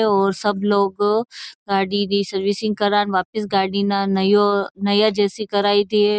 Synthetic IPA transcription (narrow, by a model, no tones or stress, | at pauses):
ɔːɾsɐbloːɡɡaːɽid̪isɐɾʋisɪ̃ŋɡ̚kɐɾaːnʋaːpɪsɡaːɽinanɐjonɐjad͡ʒɛːsikɐɾaːid̪ie